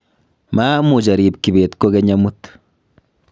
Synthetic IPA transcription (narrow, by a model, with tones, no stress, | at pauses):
ma˦mu˨d͡ʒa˨ɾiː˨p̚ki˨βeː˨t̪ko˦ke˦ɲamut̪